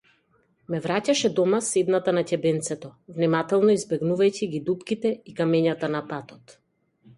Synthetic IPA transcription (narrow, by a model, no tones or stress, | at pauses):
mɛvɾacaʃɛd̪ɔmasɛd̪nat̪anacɛbɛnt̪sɛt̪ɔvnimat̪ɛlˠnɔizbɛɡnuvajciɡid̪upkit̪ɛikamɛɲat̪anapat̪ɔt̪